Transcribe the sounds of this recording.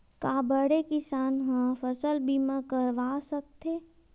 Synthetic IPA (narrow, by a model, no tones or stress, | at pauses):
kaːbəɽekɪsaːnɦãfəsəlbimãkəɾʋaːsək̚t̪ʰeː